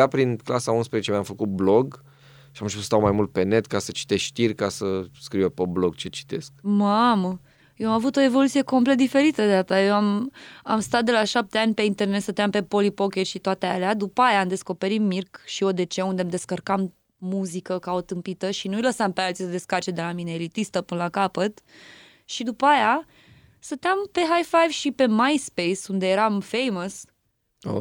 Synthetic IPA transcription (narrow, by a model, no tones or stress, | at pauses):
apɾinklasaunspɾezet͡ʃemjamfəkut̪̚bloɡ | ʃiamʃiust̪awmajmult̪̚pe̞ne̞t̪kasət͡ʃi̥t̪esʃt̪irʲkasəskɾiwepebloɡ̚t͡ʃe̞t͡ʃi̥t̪e̞sk̚mamə | jewamavut̪o̞e̞vo̞lut̪sije̞ko̞mplet̪̚d̪ife̞ɾit̪əd̪eat̪ajewamamst̪at̪d̪e̞laʃap̚t̪e̞anʲpe̞int̪e̞rnet̪sət̪eampe̞po̞lipo̞kʲet̪ʃit̪oat̪ea̰lead̪upəajaːmd̪e̞sko̞pe̞ɾimmirkʃio̞d̪e̞t͡ʃeund̪emd̪e̞skərkam | muzikəkaot̪ɨmpit̪əʃinujləsampealt̪sisəd̪e̞skat͡ʃed̪e̞lamineːlit̪ist̪əpɨnəlakapət̪ | ʃid̪upəaja | st̪ət̪eampe̞ɦajfajvʃipe̞majspejsund̪e̞jeɾamfe̞jməs | o̰